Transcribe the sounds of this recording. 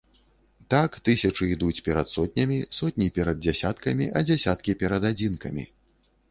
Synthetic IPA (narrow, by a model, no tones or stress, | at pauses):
t̪akt̪ɨsʲɐt͡ʂɨid̪ut͡sʲpʲɛɾɐt̪sɔt̪̚ʲnʲɐmʲisɔt̪ʲnʲipʲɛɾɐd̪̚d͡zʲɛsʲat̪kɐmʲiʔɐd͡zʲasʲat̪kʲipʲɛɾɐd̪ad͡zʲinkɐmʲḭ